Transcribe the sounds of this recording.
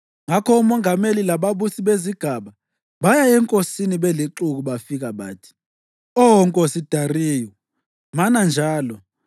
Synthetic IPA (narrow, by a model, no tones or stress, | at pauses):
ŋakʰɔumɔŋʱamelilaɓaɓusiɓeziɡ̥ʱaɓa | ɓajaɛŋkʼosiniɓɛliǁuk̬uɓafik̬aɓa̰ːtʰi̥ | ɔŋkʼosid̥ʱariːjɔ | manand͡ʒʱaːlɔ